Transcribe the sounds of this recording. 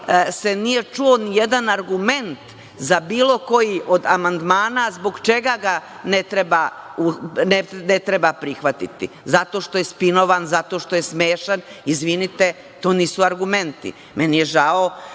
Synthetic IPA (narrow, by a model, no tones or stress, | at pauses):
se̞nije̞t͡ʃuonije̞d̪anaɾɡume̞nt̪ | zabiːlˠo̞ko̞jiʔo̞d̪amand̪maːnazboɡt͡ʃe̞ɡaɡa | net̪ɾebaunenet̪ɾebapɾixʋat̪ḭt̪ḭ | zat̪o̞ʃt̪o̞je̞spino̞ʋanzat̪o̞ʃt̪o̞je̞smeːʃanizʋinit̪e̞ | t̪oːniːsuaɾɡume̞nt̪ḭ | menije̞ʒao